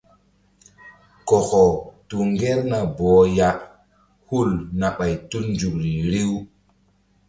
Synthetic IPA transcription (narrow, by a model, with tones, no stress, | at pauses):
ko˨xɔ˨tu˨ŋɡe˦ɾna˨bɔ˨˦ja˦ʔ | hu˦lna˨ɓa˨jtu˦nd͡ʒu˨kɾi˨ɾi˦w